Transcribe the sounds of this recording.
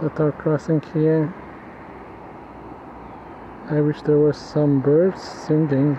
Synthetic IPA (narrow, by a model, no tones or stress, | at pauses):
ətəkʰɹ̥ɔsɪ̃ŋkʰi | aɪwɪʃðə˞wə˞sʌ̃mbɜ˞dz̥sɛ̃ndɪ̃ŋ